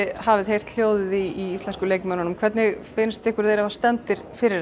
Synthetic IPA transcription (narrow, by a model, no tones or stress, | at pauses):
ɪhaːvɪðɦejr̥t̪l̥joːwðɪðiiist̪ɛnskʏleːjkmœnanmkʰvɛɾt̪nɪɣfɪːnɪst̪ɛhkʏɾðejɾavast̪ɛnt̪ɪɾ̥fɪɾɪɾ